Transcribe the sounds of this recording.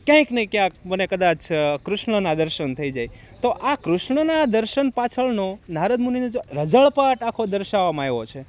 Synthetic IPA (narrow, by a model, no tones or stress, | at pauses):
kjãĩknəɦĩkjãk̚mənekəd̪at͡ʃʰkɾʊʃɳənad̪əɾʃənt̪ʰəid͡ʒaj | t̪oʔakɾʊʃɳənad̪əɾʃənpat͡ʃʰəɭnonaɾəd̪̚muninod͡ʒoɾəd͡ʒəɭpaʈakʰod̪əɾʃaʋamajʋot͡ʃʰe